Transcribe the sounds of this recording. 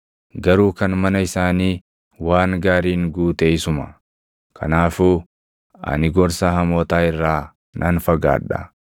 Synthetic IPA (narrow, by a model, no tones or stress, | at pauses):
ɡɐɾuːkɐnmɐnɐɪsaːniː | waːŋɡaːɾiːŋɡuːt̪eɪsʊmɐ | kʰɐ̰naːfuː | ɐ̰nɪɡɔɾsaːhɐmoːt̪aːɪrːaː | nʔɐnfɐɡa̰ːᶑɐ̰